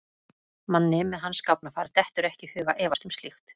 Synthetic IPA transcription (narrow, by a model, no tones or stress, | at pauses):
manːɪmɛðɦanːskawpnafaːɾt̪ɛht̪ʏɾɛhcɪhʏːɣaʔɛːvast̪ʏmst̪lixt̪